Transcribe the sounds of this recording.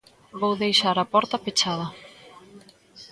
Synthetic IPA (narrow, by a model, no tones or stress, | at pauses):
βowðejʃaɾapɔɾt̪ɐpet͡ʃaðɐ